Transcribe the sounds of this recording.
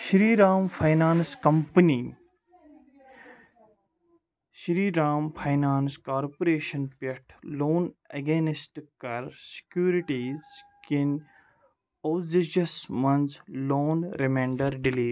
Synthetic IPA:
ʃɾiːɾaːmfʰajnaːnskɐmpəniː | ʃɾiːɾaːmfʰajnaːnskaːɾpoɾeːʃɐnpeʈʰloːneɡeːnɪsʈkɐɾsɪ̥kjuːɾiʈiːzkin | oːziʃɐsmɐnzloːnɾemẽːɳɖɐɾɖɪleː

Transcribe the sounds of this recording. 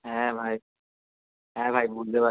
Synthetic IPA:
ɦɛ̃bʱaj | ɦɛ̃bʱajbuld̪eba

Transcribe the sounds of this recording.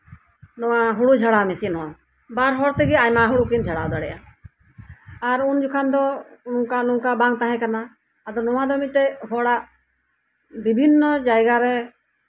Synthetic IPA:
nɔwãɦuɽud͡ʒʱaɽamɛsinɦɔ̃ | baɾɦɔɽt̪ɛɡɛajmaɦuɽukind͡ʒʱaɽawd̪aɽɛʔa | aɾund͡ʒukʰand̪ɔnũkanũkabãŋɡ̚t̪aɦɛ̃kanaː | d̪ɔnɔwãd̪ɔmiʈɛɦɔɽaʔ | bibʱinːɔd͡ʒajɡaɾɛ

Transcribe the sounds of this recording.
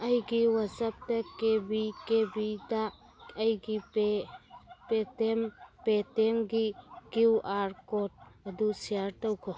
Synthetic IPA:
ɐjɡiwazap̚tɐkebikebida | əjɡie | petempetemɡikiwʔaɾkɔt̚ɐdusiaɾtɔwkʰɔ

